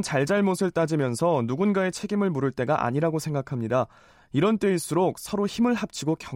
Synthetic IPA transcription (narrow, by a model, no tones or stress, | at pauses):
nt͡ɕaɭd͡ʑaɭmosʰɯɭt͈ad͡ʑimjʌnsʰʌnuɡunɡae̞t͡ɕʰe̞ɡimɯɭmuɾɯɭt͈e̞ɡaʔa̰ɲiɾaɡosʰe̞ŋɡakʰamɲida | iɾʌnt͈eiɭs͈uɾok̚sʰʌɾoçimɯɭɦap̚t͡ɕʰiɡokjʌ